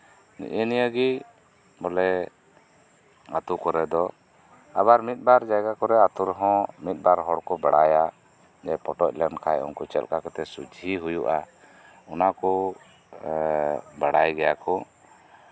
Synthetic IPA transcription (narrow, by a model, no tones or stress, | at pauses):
nḭʔənijəɡi | bɔlɛ | at̪ukɔɾɛd̪ɔ | abaɾmit̪̚ˀbaɾd͡ʒaɡakɔɾɛat̪uɾɦɔ̃mit̪̚ˀbaɾɦɔɽkɔbaɽaja | d͡ʒɛpɔʈɔc̚ˀlɛnkʰajɔ̰nkɔt͡ʃɛ̰lkakɛt̪ɛsud͡ʒʱiɦujuʔa | unakɔ | baɽajɡɛjakɔ